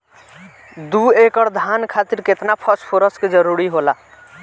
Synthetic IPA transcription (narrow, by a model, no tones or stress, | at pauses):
d̪uekəɾd̪ʱankʰat̪iɾket̪napʰəspʰoɾəsked͡ʒəɾuɾiɦola